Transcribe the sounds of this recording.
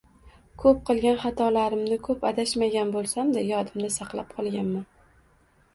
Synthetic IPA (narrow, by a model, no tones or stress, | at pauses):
kʰɵp̚qʰɨlˠɡʲanχɑt̪ʰɒlaɾɪmnɪkʰɵpad̪aʃmaɡʲanbolˠsamd̪ajɒd̪ɪmd̪asɑqlˠap̚qʰɒlˠɡʲanma